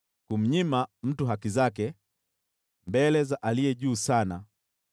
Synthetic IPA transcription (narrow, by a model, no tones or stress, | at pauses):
kum̩ɲimam̩tuɦakizakɛ | mbɛlɛzaʔaliɛʄuːsana